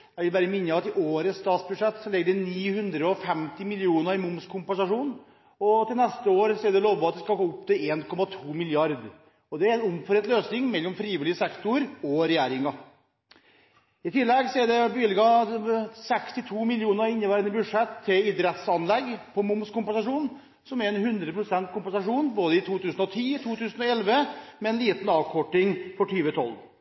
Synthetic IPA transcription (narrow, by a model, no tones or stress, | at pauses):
jæʋɪlbæːɾəmɪnːəɑt̪ɪʔoːɾəsːt̪ɑːt̪sbʉd̪ʂɛt̪sɔlɛɡːəɖɛniːhʉnd̪ɾəɔfɛmt̪ɪmɪlɪuːnəɾɪmʊmskʰʊmpɛnsɑʂuːn | ɔt̪ɪlnɛst̪əoːɾsɔɛɖɛloːʋɑt̪̚d̪ɛskɑɡoːʊpːt̪ɪleːnkʰɔmɑt̪ʰuːmɪljɑɾd̪ | ɔd̪ɛæɾɛnʊmfɔɾɛt̪løːsnɪŋmɛlːɔmfɾiːʋɪlɪəsɛkt̪ʊɾɔɾɛjæːɾɪŋɑ | ɪt̪ʰɪlːɛɡsɔæɖɛbʏlɪɡɑ | sɛkst̪ɪt̪ʰuːmɪljuːnəɪnːəʋæːɾənəbʉʂɛt̪ʰːɪlɪd̪ɾɛt̪sɑnlɛɡpʰɔmʊmskʊmpɛnsɑʂuːn | sɔmæɾɛnhʉnd̪ɾəpʰɾʊsɛnt̪kʊmpɛnsɑʂuːnboːd̪əɪt̪ʰuːt̪ʰʉːsənɔt̪ʰiːt̪ʰuːt̪ʉːsənɔɛlʋəmɛɛnliːt̪n̩ɑːʋkʰɔʈːɪŋfɔʈʰyːʋət̪ʰɔ̰lː